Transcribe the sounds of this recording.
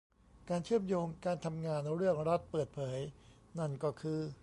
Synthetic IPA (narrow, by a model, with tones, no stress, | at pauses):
kaː˧nt͡ɕʰɯ˥˩əmjoː˧ŋkaː˧nt̪ʰa˧mŋaː˧nɾɯ˥˩əŋɾa˦˥t̪̚pɤː˨˩t̪̚pʰɤː˩˦j | na˥˩nkɔː˥˩kʰɯː˧